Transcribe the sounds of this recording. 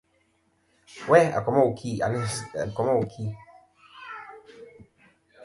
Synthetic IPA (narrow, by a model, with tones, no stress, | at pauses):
wɛ˦a̰˨kɔ˨mɔ˦u˨kʰi˦˨a̰˨n˦˨kɔ˨mɔ˦˨kʰi˦